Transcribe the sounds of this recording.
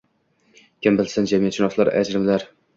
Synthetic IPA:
kʲʰɪmbɪlsɪnd͡ʒamijat̪ʃʰɪnɒslˠaɾa̰d͡ʒɾɪmlaɾ

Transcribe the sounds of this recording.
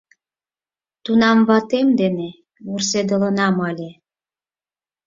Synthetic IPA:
t̪unɑmβɑt̪emd̪ene | βursed̪ələnɑmɤlʲe

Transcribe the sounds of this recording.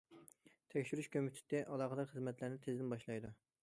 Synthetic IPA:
t̪ʰɛkʲʃyɾyʃkʲømyt̪ʰɪ̥t̪ːɛʔɑlˠɑːχəd̪ɑɾχəzmɛt̪ʰlæɾnɪt̪ʰezd̪ɪnbɑʃlˠɑjd̪u

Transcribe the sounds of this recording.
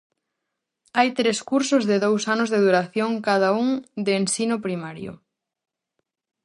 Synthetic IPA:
ajt̪ɾeskuɾsʊzðɪðowsanʊzðeðuɾaθjoŋkað̞auŋd̪eːnsinʊpɾimaɾjʊ̰

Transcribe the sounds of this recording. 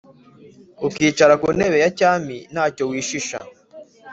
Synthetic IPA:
ukiːt͡ʃaɾakune̞βe̞jacaːminaːco̞wiːʃiʃa̰

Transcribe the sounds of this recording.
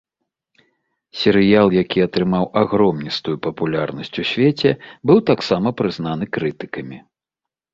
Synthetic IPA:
sʲɛɾɨjalˠjakʲiɐt̪ɾɨmawaɣɾɔmnʲist̪ujupɐpulʲarnɐsʲt͡sʲusʲvʲet͡sʲɛbɨwt̪aksamɐpɾɨzn̪an̪ɨkɾɨt̪ɨ̥kɐmʲi

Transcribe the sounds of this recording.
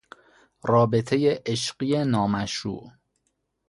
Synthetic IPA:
rɒːbe̞t̪ʰejeʔeʃɢije̞nɒːmæʃṵːʔ

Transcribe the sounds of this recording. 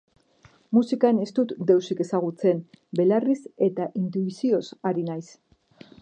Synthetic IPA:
musikane̞st̪ut̪d̪e̞wsike̞saɣ̞ut͡se̞nbe̞larise̞t̪aʔint̪uisio̞saɾinajs

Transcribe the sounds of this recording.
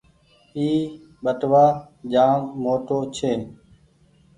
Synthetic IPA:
iː | ɓəʈʋaː | d͡ʒaːmmoːʈoːt͡ʃʰeː

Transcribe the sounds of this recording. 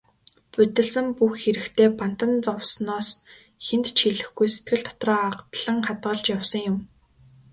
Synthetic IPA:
pɵt̪ɘ̆ɮsɘ̆mpuxxeɾɘ̆kt̪ʰeːpan̥t̪ə̆nt͡sɔwsnɔːs | xent̪t͡ɕʰiɮɘ̆xɡujset̪̚ɡɘ̆ɮt̪ʰɔ̥t̪rɔːaqt̪ɮə̆ŋχat̪ɢə̆ɮt͡ɕjawsə̆ŋjʊm

